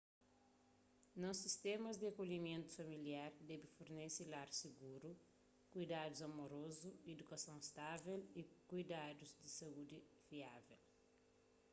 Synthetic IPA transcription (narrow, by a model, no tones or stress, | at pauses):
nɔ̃sist̪ɛmɐzd̪iakolimẽnt̪u̥fɐmiliaɾd̪ɛbifoɾnesilaɾsiɡuɾu | kujd̪ad̪uzɐmoɾozued̪ukɐsɐ̃w̃st̪avɛlikujd̪ad̪uzd̪isɐud̪i | viavɛ̰l